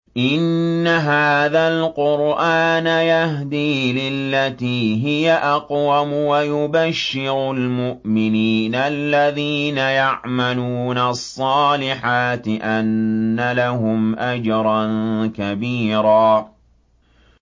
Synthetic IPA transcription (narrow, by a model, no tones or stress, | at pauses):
ʔɪnːaɦaːðalqʊɾʔaːnajahd̪iːlɪlːat̪iːɦɪjaʔɑqwamʊwajʊbaʃːɪɾʊlmʊʔmɪniːnalːaðiːnajaʕmaluːnasˤːɑːlɪħaːt̪ɪʔanːalaɦʊmʔad͡ʒɾˤɑnkabiːɾaː